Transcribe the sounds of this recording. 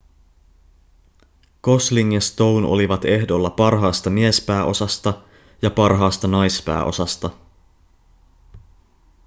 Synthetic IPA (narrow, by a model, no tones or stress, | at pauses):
ko̞sliŋːest̪o̞wnʔo̞̰liʋɑt̪e̞hdo̞lːɑpɑrɦɑːst̪ɑmie̞spæːʔo̞sɑst̪ɑ | jɑpɑrɦɑːst̪ɑnɑjspæ̰ːʔo̞̰sɑst̪ɑ